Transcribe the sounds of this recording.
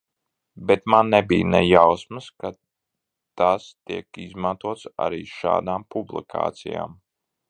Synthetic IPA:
bɛt̪manːɛbiːnɛjawsmɨska | t̪ast̪iɛkizmant̪uɔt̪sa̰ɾiːʃa̰ːd̪aːmpublˠḭkʰa̰ːt̪sija̰ːm

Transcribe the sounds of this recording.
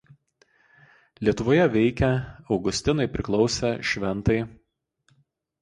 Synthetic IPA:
lʲiɛt̪ʊʋoːjɛʋʲɛɪkʲɛɒʊɡʊsʲt̪ʲɪnɐɪpʲɾʲɪklˠɒʊsʲɛʃʲʋʲɛnˑt̪ɐɪ

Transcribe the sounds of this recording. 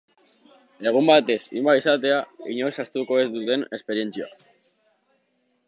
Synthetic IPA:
e̞ɣ̞umbat̪e̞sḭmbaisat̪e̞aiɲo̞jsast̪uko̞e̞zd̪ut̪e̞ne̞spe̞ɾie̞nt͡sia̰

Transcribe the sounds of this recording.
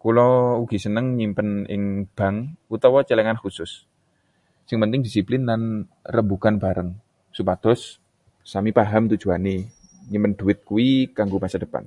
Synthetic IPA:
kulɔuɡ̥i̤sənəŋɲimpənɪ̰ŋb̥a̤ŋut̪ɔwɔt͡ʃəlɛŋanxusʊsː | ɪŋpənt̪ɪŋdisiplɪnlan | rəmbukanb̥a̤ɾəŋ | supad̪̥ɔ̤s | samipaɦamt̪ud̥ʒ̥ṳane | ɲimənd̪ṳɪt̪̚kuwikaŋɡomasad̥əpa̰n

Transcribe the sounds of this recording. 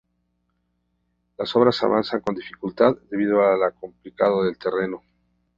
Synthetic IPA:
laso̞βɾasa̰βansaŋko̞nd̪ifikult̪aððe̞βiðoalako̞mplikaðoðe̞lt̪e̞re̞no̞

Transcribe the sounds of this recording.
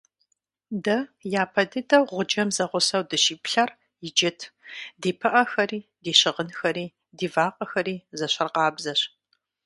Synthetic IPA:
dɐjaːpʰɐdɨdɐwʁʷʊd͡ʒɐmzɐʁʷʊsɐwdɨʃiːpɬɐr | jɪd͡ʒɪtʰdeːpʰɨʔɐxɐɾiːdeːɕɪʁənxɐɾiː | diːvaːqʼɐxɐɾiːzɐɕɐrqɑːbzɐɕ

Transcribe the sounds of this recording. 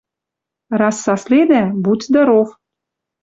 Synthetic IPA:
rɑsːɑsled̪æbut̪ʲd̪ɑɾoχ

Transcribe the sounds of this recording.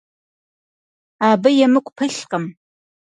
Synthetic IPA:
aːbɐjɛmɨkʷʼpʰɨɬqəm

